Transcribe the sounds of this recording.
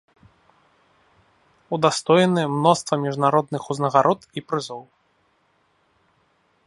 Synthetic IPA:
ud̪ast̪ɔjnɨmnɔst̪vɐmʲiʐnaɾɔd̪nɨxuznɐɣaɾʔɔt̪ipɾɨzɔw

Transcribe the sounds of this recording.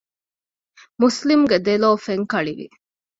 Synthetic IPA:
muslimuɡed̪eloːfeŋkɐɭiʋḭ

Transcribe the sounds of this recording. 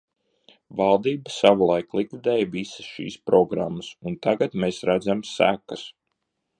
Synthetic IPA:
vɑlˠd̪iːbəsaʋulˠajklˠikvud̪ɛːjvisə̥sʃḭːspɾɔɡɾa̰mːəsunt̪aɡat̪meːsɾæd̪zamsæ̰kəs

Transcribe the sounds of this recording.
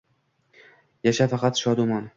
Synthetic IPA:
jaʃafɑqʰɑt̪ʃɒd̪ʊman

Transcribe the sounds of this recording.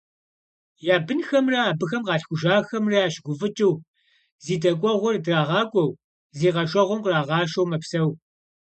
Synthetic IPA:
jaːbɨnxɐmrɐaːbɨxɐmqɑːɬxʷʊʒaːxɐmraːʃɡʷʊfɨt͡ʃʼɪw | ziːdɐkʷʼɔʁʷɔrdraːʁɑːkʷʼɔw | ziːʁɐʃʷɐʁʷʊmqraːʁɑːʃɐwmɐpsɐw

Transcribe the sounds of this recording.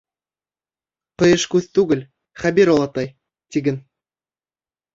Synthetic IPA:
qɤ̆jɤ̆ʃkʉθt̪ʉɡɘ̆lʲ | χæbʲiɾolˠɑt̪ɑj | t̪ʲiɡɘ̆n

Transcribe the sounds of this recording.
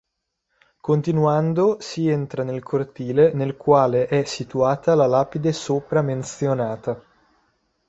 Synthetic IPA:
kont̪inuand̪osient̪ɾanelkʰort̪iːlenelkwaːleʔɛsːit̪uaːt̪alalaːpid̪esoːpɾament̪sjonaːt̪a

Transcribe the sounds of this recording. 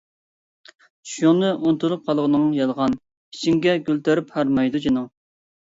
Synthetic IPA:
ʃjoŋnɨʔont̪ulˠup̚qʰɑlˠəʁənɨŋjɑlˠʁɑnʰ | i̥t͡ʃʰiŋɡʲɛɡʲølt̪ʰæɾyphæɾmɑjd̪ud͡ʒenɪŋ

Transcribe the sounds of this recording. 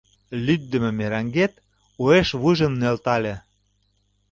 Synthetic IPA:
lʲyt̪̚d̪ə̆mĕmeɾɑŋɡet̪ | ueʃβujʒə̆nnelt̪ɑlʲĕ

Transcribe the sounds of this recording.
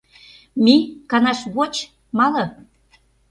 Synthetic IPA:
mikɑnɑʃβot͡ɕ | mɑlɤ̆

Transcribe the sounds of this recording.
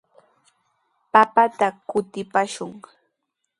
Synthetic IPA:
papat̪akʊt̪ɪpaʃʊŋ

